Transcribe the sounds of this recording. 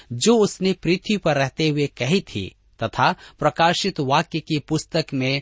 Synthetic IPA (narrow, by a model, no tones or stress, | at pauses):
d͡ʒoːʊsnepɾiːt̪ʰwipɐɾːɛɦt̪eɦʊekɐɦit̪ʰḭ | t̪ɐt̪ʰapɾɐkaːʃɪt̪ʋaːkjekipʊst̪əkmẽ